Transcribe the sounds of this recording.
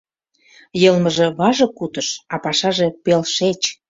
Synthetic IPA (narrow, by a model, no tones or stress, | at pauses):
jɤlməʒĕβɑʒɤ̆kut̪əʃɑpɑʃɑʒe̽pelʃet͡ɕ